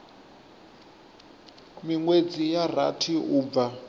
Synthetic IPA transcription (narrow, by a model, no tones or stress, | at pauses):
miŋwed͡zijar̤a̰tʰiuːb̪va